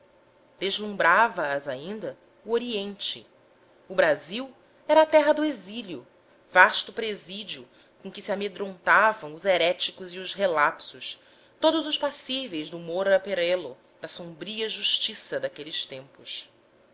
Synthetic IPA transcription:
d̪eʒlũmbɾavɐːzaĩnd̪ɐ | uoɾiẽnt͡ʃɪ | ʊbɾaziw | ɛɾɐaːt̪ɛɦɐd̪ʊeziliʊ | vaʃt̪ʊpɾezid͡ʒiʊ | kõkɪsiamed̪ɾõnt̪avɐ̃w̃ʊzeɾɛt͡ʃikʊziʊzɦelapsʊs | t̪od̪ʊzʊʃpasivejzd̪ʊmoɾpeɾɛlʊ | d̪ɐsõmbɾiɐʒuʃt͡ʃisɐd̪akelist̪ẽmpʊs

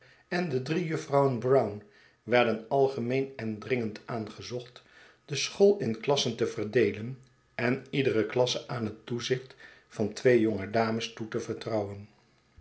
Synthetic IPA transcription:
ɛndədrijɵfrʌwənbrʌwn | ʋɛɹdənɑlˠχəmejnɛndrɪŋəntaːnχəzɔχt | d̥əsχolˠɪnklɑsəntəvərdejlən | ɛnidərəklɑsəaːnɦətːuzɪχtfɑntʋejjɔŋədaːməstutəvəɹtrʌwən

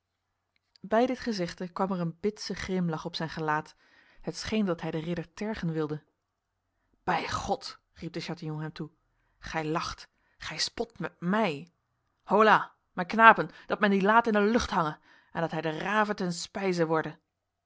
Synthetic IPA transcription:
bɛjdɪtχəzɪχtəkʋɑmɛɹənbɪtsəχrɪmlɑχɔpsɛjnχəlaːt | hətsχejndɑtɦɛjdərɪdəɹtɛɹχənʋɪlˠdə | b̥ɛjχɔt | rip̚dəʃaːtijɔnɦɛmtu | χɛjlɑχt | χɛjspɔtmɛt̚mɛj | howlaː | mɛknaːpənd̥ɑtmɛndilaːtɪndəlɵχtɦɑŋə | ʔɛndɑtɦɛjdəraːvətɛnspɛjzəʋɔɹdə

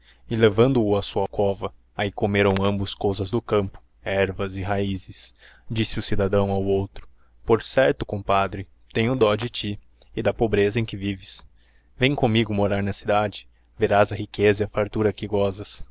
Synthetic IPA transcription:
ɪlevɐ̃nd̪ʊːɐsuɐkɔvɐ | aikomeɾɐ̃w̃ɐ̃mbʊskowzɐzd̪ʊkɐ̃mpʊ̥ | ɛɾvɐzɪɦaizɪs | d͡ʒisɪʊsid̪ad̪ɐ̃w̃awowt̪ɾʊ̥ | poɾsɛɾt̪ʊ̥kõpad̪ɾɪ | t̪ẽj̃ʊd̪ɔd͡ʒɪt͡ʃi | ɪd̪ɐpobɾezɐẽj̃kɪvivɪs | vẽj̃kõmiɡʊmoɾaɾnɐsid̪ad͡ʒɪ | veɾazɐhikezɐiɐfaɾt̪uɾɐkɪɡɔzɐs

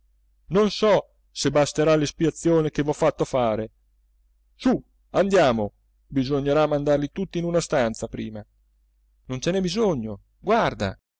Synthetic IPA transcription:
nonsɔ | sebast̪eɾalispiat̪sːjoːnek̟evɔfːat̪ːofaːɾe | su | and̪jaːmo | bizoɲːeɾamːand̪arlit̪ut̪ːiːnunast̪ant̪sapɾiːma | nont͡ʃɛnɛbizoɲːo | ɡward̪a̰

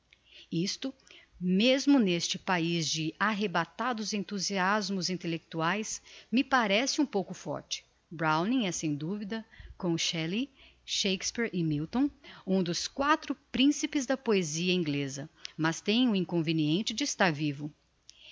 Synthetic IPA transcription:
ist̪ʊmezmʊnest͡ʃɪpaizd͡ʒɪaɦebat̪ad̪ʊzẽnt̪uziazmʊzĩnt̪elek̚t̪uajsmɪpaɾɛsɪũpowkʊfɔ̰ɾt͡ʃɪ̥ | bɾawnĩɛsẽj̃d̪uvid̪ɐkõʃɛli | ʃejkspiɾɪmiwt̪õũd̪ʊskwat̪ɾʊpɾĩsipɪzd̪ɐpoeziɐĩŋɡlezɐmɐst̪ẽj̃ʊĩkõveniẽnt͡ʃɪd͡ʒɪɪst̪aɾvivʊ

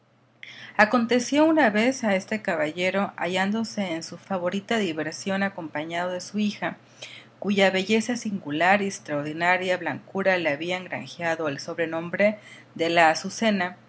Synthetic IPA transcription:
ako̞nt̪e̞sjo̞unaβe̞sae̞st̪e̞kaβaʝe̞ɾo̞a̰ʝand̪o̞se̞ːnsufaβo̞ɾit̪aðiβe̞ɾsjo̞nako̞mpaɲaðoðesuixa | kuʝaβe̞ʝe̞sasiŋɡulaɾiest̪ɾaoɾðinaɾjaβlaŋkuɾaleaβiaeŋɡɾa̰ŋxjaðo̞elso̞βɾe̞no̞mbɾe̞ | ðe̞lasuse̞na

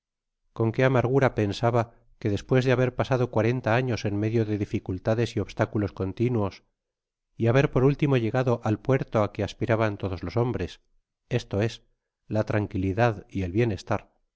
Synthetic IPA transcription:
ko̞ŋke̞amaɾɣ̞uɾape̞nsaβa | ke̞ðe̞spwe̞zðeaβe̞ɾpasaðo̞kwaɾe̞nt̪aaɲo̞se̞nme̞ðjoðe̞ðifikult̪aðe̞sio̞βst̪akulo̞sko̞nt̪inwo̞s | iaβe̞ɾpo̞ɾult̪imo̞ʝe̞ɣaðo̞ʔalpwe̞ɾt̪oakeaspiɾaβant̪o̞ðo̞zlo̞so̞mbɾe̞s | e̞st̪o̞e̞s | lat̪ɾaŋkiliðaðie̞lβje̞ne̞st̪aɾ

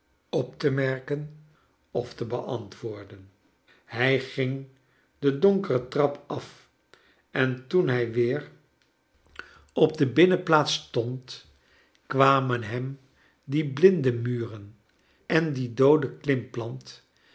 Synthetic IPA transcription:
ɔptəmɛɹkən | ɔftəbəʔɑntʋʊːɹdən | hɛjχɪŋ | dədɔŋkərətrɑpʰɑf | ʔɛntunɦɛjʋɪːr | ɔb̚dəbɪnəplaːtstɔnt | kʋaːmənɦɛm | diblɪndəmyːrən | ɛndidowdəklɪmplɑnt

